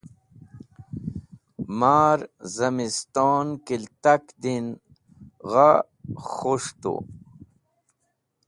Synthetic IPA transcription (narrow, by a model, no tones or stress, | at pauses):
maːɾzɐmist̪oːnkilt̪akd̪in | ɣa | xuʂt̪ṵ